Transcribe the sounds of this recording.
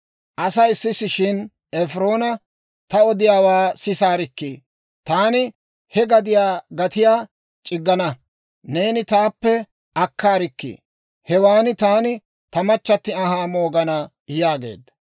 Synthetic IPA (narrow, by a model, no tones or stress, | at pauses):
ʔɐsɐjsːɪsɪʃɪn | ɛfɾo̞ːnɐ | t̪ɐɔd̪ɪjaːwaːsɪsaːɾɪkːiː | t̪aːnɪ | hɛɡɐd̪ɪjaːɡɐt̪ɪjaː | t͡ʃʼɪɡːɐnɐ | ne̞ːnɪt̪aːpːɛ | ʔɐkːaːɾɪkːḭː | hɛwaːnɪt̪aːnɪ | t̪ɐmɐt͡ʃːɐt̪ːɪɐɦaːmo̞ːɡɐnɐ | jaːɡe̞̰ːd̪ːɐ̥